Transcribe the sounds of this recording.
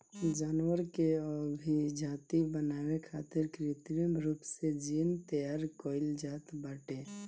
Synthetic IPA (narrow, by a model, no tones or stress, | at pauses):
d͡ʒaːnwəɾkeɔːbʱid͡ʒaːt̪ibənaːwekʰaːt̪ɪɾkɾit̪ɾəmɾuːpsed͡ʒiːnt̪əjaːɾkoːɪld͡ʒaːt̪baːʈe